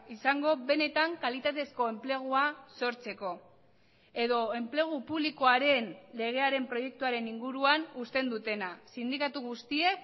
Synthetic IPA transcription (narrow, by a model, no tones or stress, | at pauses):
isaŋɡo̞βe̞ne̞t̪aŋkalit̪at̪e̞sko̞e̞mple̞ɣ̞uaso̞ɾt͡se̞ko̞ | e̞ðo̞e̞mple̞ɣ̞upuβliko̞aɾe̞nle̞ɣ̞e̞aɾe̞mpɾo̞je̞k̚t̪uaɾe̞niŋɡuɾuanust̪e̞nd̪ut̪e̞nasind̪ikat̪uɣ̞ust̪ie̞k